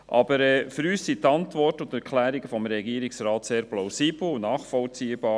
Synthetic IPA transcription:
ʔɑbəɾɛːfʏɾyːssit̪ɑntʋɔɾtʊnt̪ɛɾkʰlæːɾiɡəfɔmɾɛɡiːəɾiksɾɑːt̪seːɾplaʊsiːb̥l̩ʊnɑːχfɔlt͡siːəbɑː

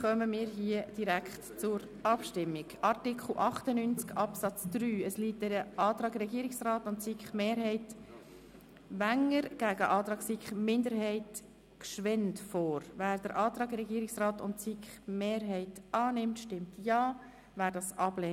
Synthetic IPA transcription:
χœməmiːɾɦiəd̥iɾækχtt͡sʊɾ | ɑpʃtɪmːɪɡʔɑɾtɪkʰχl̩ʔɑχtənynt͡skʰɑpsɑt͡sd̥ɾyːəsliːt̚dɛɾəʔɑːt̪ɾɑːɡɾɛɡiːɾɪksrɑːtʊnt͡sikχmeːɾɦɛɪt | vænəɾɡ̥æɡəʔɑːt̪ɾɑːɡsikχmɪndəɾɦɛɪt | kʃʋɛntfɔːɾvæːɾd̥əɾʔɑːt̪ɾɑːɡɾɛɡiːɾɪksrɑːtʊntt͡sikχmeːɾɦɛɪtɑːnɪmtʃtɪmtjɑː | væːɾdɑːsʔɑb̥lɛː

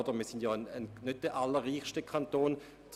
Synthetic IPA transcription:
dəmiːɐsɪndjɑːnənnøt̚d̥ɛʔalːəʁiːχʃtəkʰantoːn | t͡s

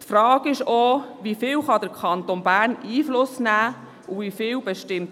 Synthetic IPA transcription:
tfɾɑːɡɪʃoʋifɪːwχɑd̪əɾkʰɑnt̪onbæːɾniːflʊsnæː | ʊʋifɪːwbɛʃtɪmt

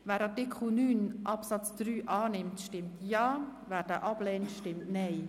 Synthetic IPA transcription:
vɛːɾɑtɪkʰχl̩nyːnʔɑpsɑt͡sd̥ɾyːʔɑːnɪmtʃtɪmtʰjɑːvæːɾd̥æːʔɑb̥lɛːntʃtɪmtnɛɪ

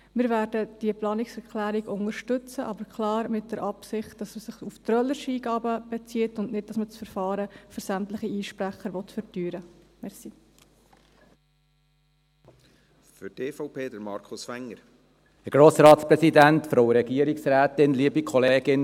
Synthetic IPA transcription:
mɪːɾvæːɾdəd̥iəplɑːnɪksɛɾklæːɾiɡʊŋəɾʃtʏt͡səʔɑbəɾkʰlɑːɾmɪt̚d̥əɾʔɑpsɪχt̚d̥ɑsəsɪχuft̪ɾœləʃiːɡɑːbəb̥ɛt͡siːətʊndnɪd̚d̥ɑsmət͡sfəɾfɑːɾəfʏɾsæmtləχiiːʃpɾæχəɾʋɔt̪fəɾtyːɾəmɛsi | fʏteːfɔʊpʰeːd̪əɾmɑɾkʰʊsfæŋːəɾ | ɛɡ̥ɾoːsɾɑːtspɾɛsidæntfɾoʊəɾɛɡiəɾiksɾæːt̪ɪnliəbikʰɔleːɡɪn

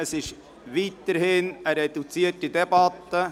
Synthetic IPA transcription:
əsɪʃ | ʋiːt̪əɾhɪnəɾedut͡siətidɛbɑt̪ːə

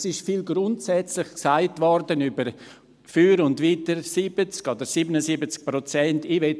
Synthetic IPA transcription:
sɪʃfiːlɡɾʊntsɛt͡slɪχksaɪtvɔɾdənybəɾ | fyːɾʊndviːtəɾsibət͡skodəɾsiːbənəsibət͡sk̚pɾot͡sɛntiʋɛ

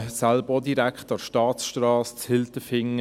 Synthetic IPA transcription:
salbəodiɾækχtɑʃtɑːtsʃtrɑːst͡shɪlt̪əfɪŋ

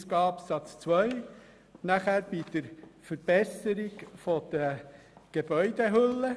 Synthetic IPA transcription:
sɡɑːpsɑt͡st͡sʋœʏ | næχæːɾb̥id̪̥əɾfəɾb̥ɛsəɾiɡfɔd̪̥ə | ɡ̥ebœʏd̥̪eɦʏlːə

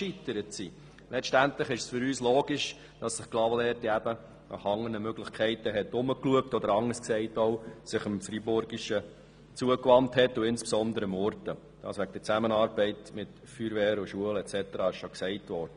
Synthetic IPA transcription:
ʃitəɾətsi | lɛʃtæntləχɪʃsføɾyːsloːɡ̥ɪʃ | d̥ɑsːɪχɡ̥lɑʋəlɛːɾtiæbə | nʔɑ̰χhɑŋːənəmøɡ̥lɪχkʰɛɪtəɦɛtʊməkluək̚tɔd̪əɾɑŋːəsksɛɪtɔʊsɪχəmfɾibʊɾɡiʃə | t͡suəkʋɑnthɛtːuɪnspsɔndəɾəmɔɾtə | d̥ɑ̰ːsʋæɡ̚d̥̪əɾt͡sæmənɑːɾbɛɪtmɪt | fyːɾʋɛːɾʊʃuəlɛtt͡sɛtəɾɑːɪʃʃɔksɛɪtʋɔɾd̥ə

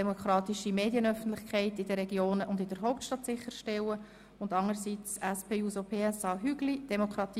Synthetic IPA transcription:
ɛmokχɾɑːt̪iʃimeːdjənœfən̩tlɪχkʰɛɪtɪd̥əɾɛɡjoːnəʔʊndɪd̥əɾɦɔʊp̚tʃtɑt̪sɪχːəɾʃtɛwə | ʊndɑŋəɾsit͡sɛspeːuːsopʰeːɛsɑːɦyɡlid̥ɛmokʰɾɑt̪iː

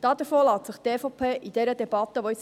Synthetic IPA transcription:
d̥ɑːd̪əɾfoːlɑːt̪səχt̪eːfɔpʰeːʔid̥̪ɛɾəd̪ɛbɑt̪ːəʋɔis

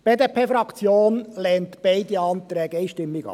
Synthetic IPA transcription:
b̥eːd̪epʰeːfɾɑkt͡sjoːnlɛːnt̪b̥ɛɪd̪iɑnt̪ɾɛːɡəɛɪʃtɪmːɪɡɑ̰

